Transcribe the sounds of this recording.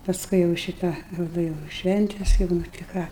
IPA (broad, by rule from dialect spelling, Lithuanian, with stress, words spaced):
pɐsˈkʊɪ jɛʊ ˈʃʲɪtɑː ˈroːdoː jɛʊ ˈʃʲʋʲɛnʲtʲɛs jɛʊ nʊ tʲɪ ˈkɑː